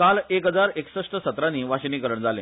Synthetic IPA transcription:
kalekɦəd͡zaɾeksəʂʈəsət̪ɾaniːʋaɕniːkəɾəɳd͡zale

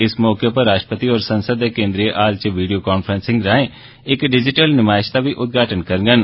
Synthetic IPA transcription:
ɪsmɔːkepəɾːaːʃʈəpət̪iɔːɾsənsəd̪eːkẽːnd̪ɾijeʔaːlt͡ʃəʋiːɖijoːkaːnpʰɾənsɪ̃ŋɡɾaːẽ | ɪkɖɪd͡ʒɪʈəlnɪmaːɪʃt̪aːʋiːʔʊt̪̚ɡaːʈənkəɾɡən

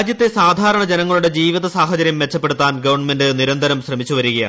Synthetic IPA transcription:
d͡ʑjɐt̪ːe̞saːd̪ʱaːɾɐɳɐd͡ʑe̞nɐŋːɐɭuɽe̞d͡ʑiːʋiðɐsaːhɐt͡ɕɐɾjɐmʋe̞t͡ɕːɐpːe̞ɽut̪ːaːnɡɐʋɐrɳme̞ndɨniɾɐnd̪ʱɐɾɐmɕrɐmit͡ɕːuʋɐɾuɣɐja̰

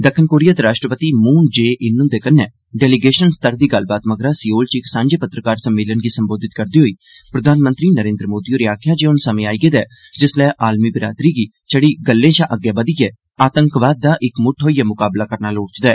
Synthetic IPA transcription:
d̪əkʰənkoːɾijaːt̪eɾaːʃʈɾəpət̪iːmuːnd͡ʒeːʔɪnʊ̃nd̪eːkənːɛː | ɖɛːliɡeːʃənst̪əɾd̪iːɡəlbaːt̪məɡɾaːsiːoːlt͡ʃɪksãːɲd͡ʒeːpət̪ɾəkaːɾsəmːeːlənɡiːsəmboːd̪ɪt̪kəɾd̪iːɦoiː | pɾəd̪ʱaːnmə̃nt̪ɾiːnəɾẽːnd̪ɾəmoːd̪iːoːɾɪjaːkʰjãːd͡ʒeːʊnsəmẽaːiːɡeːd̪ɛː | d͡ʒɪslɛːʔaːlmiːbɪɾa̰ːd̪ɾiːɡiː | t͡ʃəɽiːɡəlːẽːt͡ʃaʔəɡjaːbəd̪iːɡeː | aːt̪əŋkʋaːd̪̚ːaːʔɪkmʊʈʰɦoːijaːmʊkaːblaːkəɾnaːloːɽt͡ʃd̪ɛː

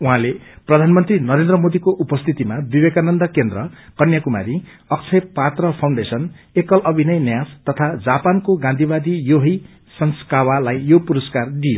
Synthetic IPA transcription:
uɦãleprʌd̪ʱanmʌnt̪rinʌɾend̪rʌmod̪ikoʔupʌst̪ʰit̪imabibekanʌnd̪ʌkend̪rʌkʌnjakuma̰ɾi | ʌk̚t͡sʰʌjpat̪rʌpʰaw̃ɳɖesʌn | ekʌlʔʌbʱinʌjnjast̪ʌt̪ʰad͡zapankoɡãnd̪ʱibad̪ijoɦi | sʌnskawalajjopuɾʌskard̪ijo

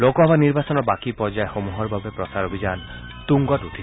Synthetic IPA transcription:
lokɔɦabaniɹbasɔnɔbakipɔɹd͡ʒaexomuɦɔɹbabepɹɔsaɾobʱid͡ʒan | t̪uŋɡɔtutʰi

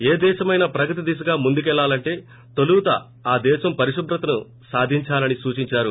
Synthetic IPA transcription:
eːd̪ɛːʃɐmɐjnɐpɾɐkɐt̪̬id̪iːs̬ɐɡaːmund̪uk̬ɛɭːaːlɐɳʈe̞ː | t̪olut̪ɐ̰ | aːd̪ɛːʃɐmpɐɾiʃubɾɐt̪ɐnu | saːd̪ʱiɲt͡ʃaːlɐnisuːt͡ʃiɲt͡ʃaːɾu

